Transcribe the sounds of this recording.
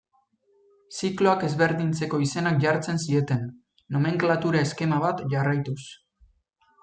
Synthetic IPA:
siklo̞ake̞zβe̞ɾðint͡se̞ko̞ise̞nak̚ʝaɾt͡se̞nsie̞t̪e̞nː | o̞me̞ŋklat̪uɾae̞ske̞maβat̪ʝarajt̪us

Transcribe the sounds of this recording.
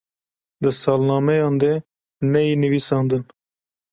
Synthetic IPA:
d̪ɨsɑːlnɑːmɛjɑːnd̪ɛ | nɛjinɨviːsɑːnd̪ɨn

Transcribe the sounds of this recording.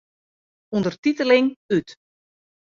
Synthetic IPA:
undərtitəlɪŋyt

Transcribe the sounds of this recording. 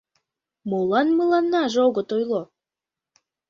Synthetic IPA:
molˠɑnmɯlˠɑnːɑʒoɣət̪ojlˠo

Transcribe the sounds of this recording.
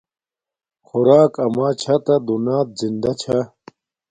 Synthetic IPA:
xuɾaːkɐmaːt͡ɕʰat̪ad̪unaːt̪̚zind̪ɐt͡ɕʰa

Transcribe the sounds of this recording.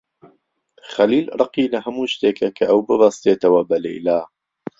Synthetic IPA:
χɐliːlrˤɨqiːlɐɦɐmuːʃt̪eːkʰɐkʰɐʔɐwbɨbɐst̪eːt̪ɐwɐbɐlḛjlaː

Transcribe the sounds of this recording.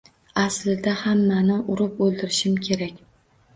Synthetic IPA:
aslɪd̪ahamːanɪʔʊɾʊpolˠd̪ɪɾɪʃɪmkʲʰe̞ɾakʲ

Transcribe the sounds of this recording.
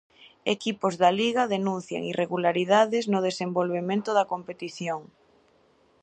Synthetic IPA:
ḛkipozðɐliɣɐðenũnθja̰ŋirʔeɣulaɾiðaðɪznʊð̞esembolβemẽnt̪ʊðɐkompet̪iθjoŋ

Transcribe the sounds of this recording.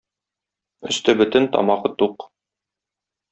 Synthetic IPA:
ɵ̆st̪ɘbɵ̆t̪ɘnt̪ɒ̰mɑqɤt̪uq

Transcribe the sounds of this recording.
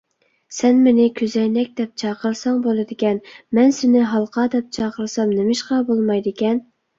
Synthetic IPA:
sɛnmenɪkʲʰøzɛjnɛk̚ʲd̪̥ɛp̚t͡ʃʰɑːqʰəɾsɑŋbolˠɨd̪ɪkʲɛnmɛnsɪnɪɦɑlˠqʰɑːd̪ɛp̚t͡ʃʰɑːqəɾsɑmnɪmɪʃqɑbolˠmɑjd̪ɪkʲʰɛn

